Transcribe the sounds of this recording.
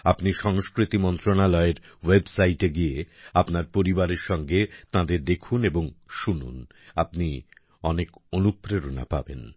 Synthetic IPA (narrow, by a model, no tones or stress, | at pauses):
apniʃɔŋskɾit̪imɔnt̪ɾonalɔeɾwebsajʈeɡieapnaɾpoɾibaɾeɾʃɔŋɡet̪ãd̪eɾd̪ekʰuneboŋʃunṵn | apni | ɔnekonupɾeɾona̰pa̰bḛn